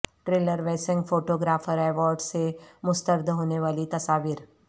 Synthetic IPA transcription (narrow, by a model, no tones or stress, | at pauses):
ʈɾeːləɾʋɛːsɪ̃ŋɡfoːʈoːɡɾaːfəɾɛːʋɔːɾɖsemʊst̪əɾd̪ɦoːneʋaːlit̪ɐsaːʋiːɾ